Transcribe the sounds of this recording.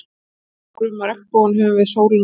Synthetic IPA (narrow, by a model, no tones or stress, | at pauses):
kɾʏːmːaɾɛkpownhɛvʏvɪðsoːwɾiŋ